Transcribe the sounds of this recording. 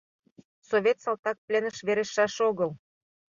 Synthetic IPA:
soβʲet̪sɑlt̪ɑk̚plʲenəʃβeɾeʃɑʃoɣəl

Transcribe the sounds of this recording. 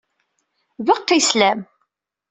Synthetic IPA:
vəqt̪ːæjslæm

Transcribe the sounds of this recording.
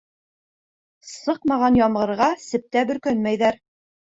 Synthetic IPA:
sɤqmɑʁɑnjɑmʁɤ̆ɾʁɑsɘ̆p̚t̪æbɵ̆ɾkɵnmæjðæɾ

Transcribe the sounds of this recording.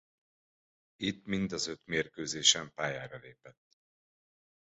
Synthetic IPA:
it̪mind̪ɒzø̞t̪meːrkøːzeːʃɛmpaːjaːɾɒleːpɛt̪ː

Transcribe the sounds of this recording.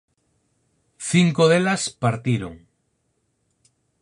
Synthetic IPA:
θiŋkoðelaspaɾt̪iɾo̰ŋ

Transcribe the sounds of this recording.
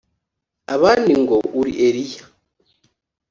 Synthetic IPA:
aβaːndiŋɡouɾḭʔeɾija

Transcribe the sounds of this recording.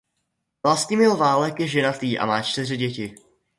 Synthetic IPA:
vlast̪ɲimɪlvaːlɛkjɛʒɛnat̪iːʔa̰maːt͡ʃt̪ɪr̝ɪɟɛcɪ

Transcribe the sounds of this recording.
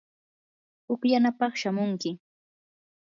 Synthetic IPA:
hʊkjanapɑχʃamʊŋkɪ

